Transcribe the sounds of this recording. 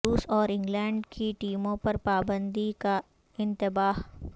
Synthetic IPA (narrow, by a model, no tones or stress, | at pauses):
uːsɔːɾɪ̃ŋɡlɛ̃ːɳɖkʰiʈiːmõpɐɾpaːbə̃nd̪ika | ɪ̃nt̪ɪbaːɦ